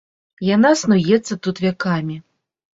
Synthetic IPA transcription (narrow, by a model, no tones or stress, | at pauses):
janasnujɛt̪sːɐt̪ut̪vʲakamʲi